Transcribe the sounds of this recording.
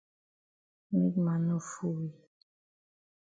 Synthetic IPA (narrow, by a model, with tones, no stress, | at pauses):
mḭ˦k̚ma˨nu˦˨fu˦wi˨